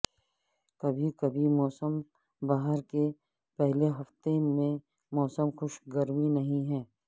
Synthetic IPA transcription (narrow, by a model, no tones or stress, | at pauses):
kɐbʱikɐbʱimɔːsəm | baːɦəɾke | pɛɦleɦɐft̪emẽ | mɔːsəmxʊʃɡɐɾminɐɦĩɦɛ̃ː